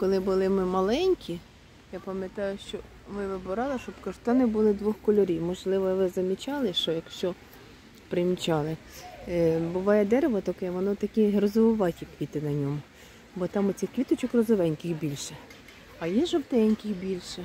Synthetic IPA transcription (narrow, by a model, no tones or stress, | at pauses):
kɔlˠɪbʊlˠɪmɪmɐlˠɛnʲkʲʰi | jɑpɐmʲjɐt̪ɑjʊʃt͡ʃɔ | ʋɪʋɪbʊɾɑlˠɪʃɔbkɐrt̪ɔnɪbʊlˠɪd̪ʋɔxkɔlʲɔɾʲiwmɔʒlˠɪʋɔʋɪzɐmʲit͡ʃɑlˠɪʃt͡ʃɔjɐkʃt͡ʃɔ | pɾɪmʲit͡ʃɑlˠɪ | bʊʋɑjɛd̪ɛɾeʋɔt̪ɔkɪʋɔnɔt̪ɐkʲiɦɾɔzɔʋɔʋɑtʲikʋʲit̪ɪnɐnʲɔmʊ | bɔt̪ɑmʊt͡sʲixkʋʲit̪ɔt͡ʃɔkrɔzɔʋɛnʲkʲɪxbʲilʲʃɛ | ɐjɛʒɔwt̪ɛnʲkʲɪxbʲilʲʃɛ